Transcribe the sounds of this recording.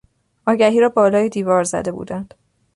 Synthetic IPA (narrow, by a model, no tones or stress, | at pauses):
ʔɒːɟæɦiːɾɒːbɒːlɒːjed̪iːvɒːɾzæ̰d̪e̞bṵːd̪ænd̪̥